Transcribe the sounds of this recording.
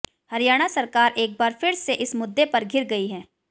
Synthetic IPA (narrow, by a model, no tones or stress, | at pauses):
hɐɾijaːɽ̃asɐɾkaːɾʔeːk̚baːɾfʰɪɾseʔɪsmʊd̪ːepɐɾɡʱɪɾɡɐiɦɛ̃ː